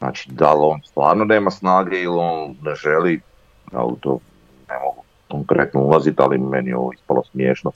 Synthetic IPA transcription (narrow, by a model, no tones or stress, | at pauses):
zna̰ːt͡ʃi̥d̪alo̞ːnst̪ʋa̰ːɾnone̞ːmasnaːɡeilo̞ːnːeʒeli | ja̰ṵt̪o̰ː | nḛmoɡu | koŋkɾe̞t̪noulˠazit̪alimeniɛo̞̰oispalosmjeːʃno